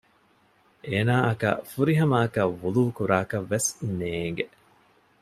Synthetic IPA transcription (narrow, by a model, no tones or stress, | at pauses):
ʔeːnaːʔɐkɐ̰fuɾiɦɐmaːkɐʋuluːkuɾaːkɐʋːesneːŋɡe